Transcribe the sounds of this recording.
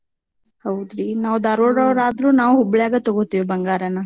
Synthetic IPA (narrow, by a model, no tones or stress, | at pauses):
hɐwd̪ɾinaːʋud̪aːɾoːɽɐʋɐɾaːd̪ɾuːnaːʋuɦubɭjaːɡɐt̪ɔɡot̪ːiʋibɐŋɡaːɾɐnɐ